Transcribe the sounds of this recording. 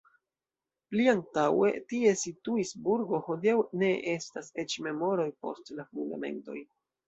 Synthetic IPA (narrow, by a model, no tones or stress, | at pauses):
pliaŋtawe̞̰tie̞situisbuɾɡo̞ho̞diawne̞ʔe̞stase̞t͡ʃme̞mo̞ɾo̞jpo̞̰stlafunda̰me̞̰nto̞̰j